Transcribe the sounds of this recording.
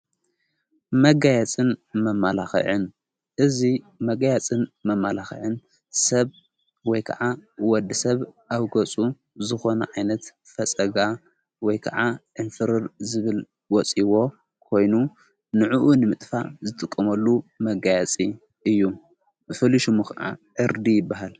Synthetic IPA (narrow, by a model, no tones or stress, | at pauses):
mɐɡajat͡sʼɨnmɐmːalaxḭʕɨn | ʔɨzi | mɐɡajat͡sʼɨnmɐmːalaxḭʕɨn | sɐβ | wɔjkʰɐ̰ʕawɔd̪ːɨsɐβʔaβɡɐt͡sʼu | zɨxo̞nɐ̰ʕajnɐt̪ | fɐt͡sʼɐɡa | wɔjkʰɐ̰ʕaʕɨnfɨɾɨɾzɨβɨl | wɔt͡sʼiwo̞ | kʰo̞jnu | nɨʕuʔunɨmɨt̪ʼfa̰zɨt̪ʼɨkʼːɐmɐlːumɐɡajat͡sʼi | ʔɨjːu | fɨliʃumukʰa̰ʔa̰ʕɨɾd̪ijɪbːaɦal